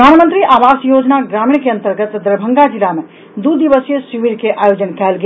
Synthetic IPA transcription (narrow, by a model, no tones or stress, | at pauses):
aːɳmə̃nt̪ɾiʔaːʋaːsjoːd͡ʒnaɡɾaːmiɳkeə̃nt̪əɾɡət̪d̪əɾbʱə̃ŋɡad͡ʒɪlamẽ | d̪ud̪iʋəsjəsiʋiɾkeʔaːjoːd͡ʒənkɛːlɡ